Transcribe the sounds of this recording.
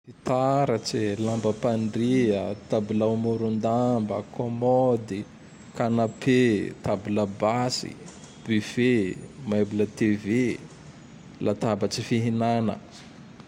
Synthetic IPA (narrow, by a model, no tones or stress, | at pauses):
it̪aɾat͡silambəpaɳɖ͡ʐiət̪abilaumuɾund̪ambə̰kʰomɔd̪i | kanapʰet̪abilabasḭ | b̥ifemajbulət̪eve | lʔat̪abat͡sifiɦinanə̰